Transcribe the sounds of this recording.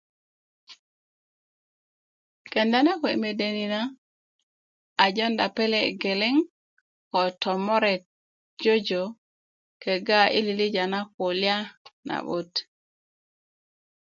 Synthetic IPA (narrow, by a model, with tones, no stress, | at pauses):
kɛ˨nda˦na˦kɔ˨ḭ˨me˨de˨ni˨na˦ | a˨d͡ʒɔ˦nda˨pe˦lɛ˨ɡe˨lɪ˦ŋ | kɔ˨tɔ˨mɔ˦ɾɛ˨t̚ | d͡ʒo˦d͡ʒo˨ | ke˨ɡa˦ḭ˦li˨li˦d͡ʒa˨na˦ko˨lja˦na̰˨ɓo˦t